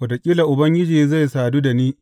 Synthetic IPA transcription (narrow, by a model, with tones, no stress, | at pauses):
wɐ˨da˨kʲʼiː˦la˨ʔʊ˨bɐ˦ŋɡʲɪ˦d͡ʒiː˨za˦˨jsaː˨duː˦da˨niː˦